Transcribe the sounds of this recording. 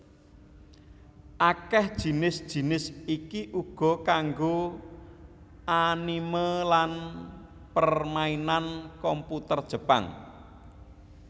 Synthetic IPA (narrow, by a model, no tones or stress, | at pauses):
ʔakɛhd̥ʒ̥i̤nɪsd̥ʒ̥i̤nɪsikiʔuɡ̥ɔ̤kaŋɡo | animəlan | pərmainankɔmput̪ərd̥ʒ̥ə̤pa̰ŋ